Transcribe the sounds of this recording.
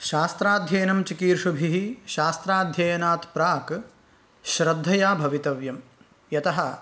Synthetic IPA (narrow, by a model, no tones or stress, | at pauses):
ʃaːst̪ɾaːd̪ʱjɐjnɐmt͡ʃikiːɾʂubʱiɦiʃaːst̪ɾaːd̪ʱjɐjɐnaːt̪pɾaːk | ʃɾɐd̪ʱːɐjaːbʱɐʋit̪ɐʋjɐm | jɐt̪ɐɦɐ